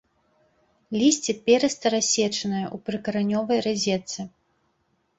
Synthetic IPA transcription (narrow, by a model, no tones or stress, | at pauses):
lʲisʲt͡sʲipʲɛɾɛst̪ɐɾasʲɛt͡ʂɐnɨjɐʔupɾɨkɐɾanʲɔvɐjrɨzʲɛt̪sɨ